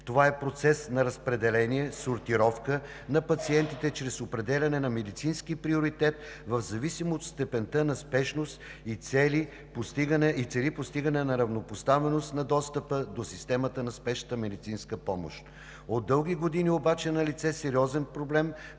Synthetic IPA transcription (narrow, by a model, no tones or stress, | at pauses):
t̪ovaɛpɾot̪sɛsnɐɾɐspɾɛd̪ɛlɛniɛsoɾt̪iɾɔfkə | nɐpɐt̪siɛnt̪it̪ɛt͡ʃɾɛsopɾɛd̪ɛlʲɐnɛnɐmɛd̪it̪sinskipɾioɾit̪ɛt̪̚ | vɐvzɐvisimot̪st̪ɛpɛnt̪ənɐspɛʃnost̪it̪sɛli | post̪iɡənɛit̪sɛlipost̪iɡənɛnɐɾɐvnopost̪avɛnost̪nɐd̪ɔst̪əpəd̪osist̪ɛmət̪ənɐspɛʃə̥t̪əmɛd̪it̪sinskəpɔmo̰ʃt̪ | od̪ːɤlˠɡʲiɡod̪iniobat͡ʃɛnɐlit̪sɛsɛɾiɔzɛnpɾoblɛm